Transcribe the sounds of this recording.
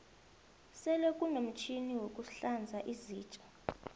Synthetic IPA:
sɛlokʼunom̩t͡ʃʰiniwokʼuɬand͡zʱaʔiziːt͡ʃʼḁ

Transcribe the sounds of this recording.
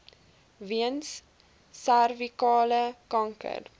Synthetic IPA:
viənsː | ærvikɑːləkɐŋkə̰r

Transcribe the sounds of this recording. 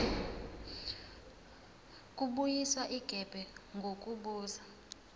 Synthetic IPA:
kʼuɓujiswaʔiɡ̥ʱɛb̥ʱɛŋɡʱokʼuɓuːza

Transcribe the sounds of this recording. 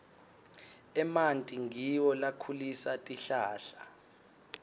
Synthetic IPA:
ɛmantʼiŋiwɔlakʰulisatʼiɬaːɬa

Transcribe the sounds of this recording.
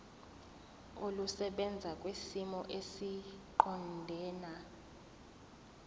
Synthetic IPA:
olusɛɓɛnd͡zʱakʼwesimɔʔesiǃɔndʱɛːna

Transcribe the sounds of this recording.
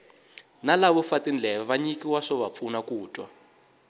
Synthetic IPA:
nalaβɔfatind͡ɮʱɛβaβaɲikiwaʂɔβap̪fʰunakuːtʼwa

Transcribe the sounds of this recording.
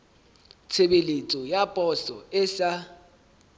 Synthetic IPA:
t͡sʰeɓelet͡sʼɔjapʼɔsɔɛsa

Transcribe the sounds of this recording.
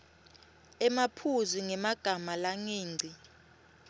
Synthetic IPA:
ɛmapʰuziŋɛmaɡ̥ʱamalaŋeːŋ͡ǀʱi

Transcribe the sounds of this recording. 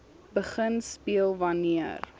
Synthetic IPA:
bəχənspiəlˠvɐniər

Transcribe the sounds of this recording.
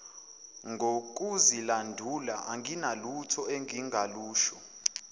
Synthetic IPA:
ŋɡʱok̬uzilandʱulaʔaŋinalutʰɔɛŋʱiŋʱaluːʃɔ

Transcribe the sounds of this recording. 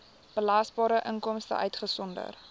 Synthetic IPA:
b̥əlɐsbɑːɾəʔəŋkɔmstə̰ʔœɥtχəsɔndə̰r

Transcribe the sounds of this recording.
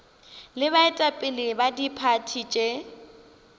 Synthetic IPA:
lɪβaɪtʼapʼɪlɪbadipʰatʰit͡ʃʼe

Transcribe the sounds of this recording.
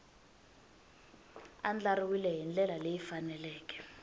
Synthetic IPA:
and͡ɮariwilɛɦind͡ɮʱɛlalejifanɛlɛːk̬ʼɛ̥

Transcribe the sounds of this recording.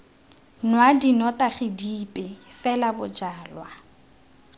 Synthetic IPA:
nwadinɔtʼaχidiːpʼɪfɛlabʊd͡ʒaːlwa

